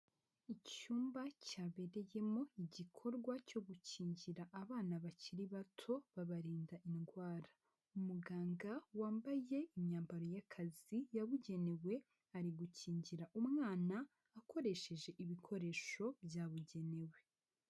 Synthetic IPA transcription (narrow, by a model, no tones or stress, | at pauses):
icuːmbacaːβe̞ɾe̞je̞mo̞iɟikʰo̞ɾɡwaco̞ɡuciːɲɟiɾaʔːβaːnaβaciɾiβatʰo̞βaβaɾiːndaʔinɡwaːɾa | umuɡaːŋɡawaːmbaje̞imɲaːmbaɾo̞jakʰazijaβuɟe̞ne̞we̞ | aɾiɡuciːɲɟiɾaʔumŋaːnaː | ko̞ɾe̞ʃe̞ʒe̞ʔiβikʰo̞ɾe̞ʃo̞bjaːβuɟe̞ne̞we̞